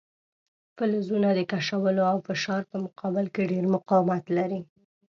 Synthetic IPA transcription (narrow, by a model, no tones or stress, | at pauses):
fəlzunad̪əkaʃawəloawfɪʃɑɾpəmʊqɑbɪlkeɖeɾmʊqɑwmat̪laɾi